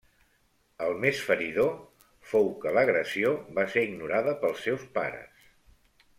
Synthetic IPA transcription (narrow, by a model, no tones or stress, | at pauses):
əlˠmesfəɾiðo | fowkələɣɾəsioβaseɾiɡnuɾaðəpəlˠsːɛwspa̰ɾə̰s